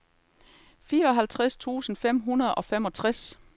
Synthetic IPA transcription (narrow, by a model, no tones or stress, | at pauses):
fiːɐɒ̽ɦælt͡sʰʁast͡sʰṵːsn̩fem̰ɦunɐðˠɒ̽femɒ̽t͡sʰʁas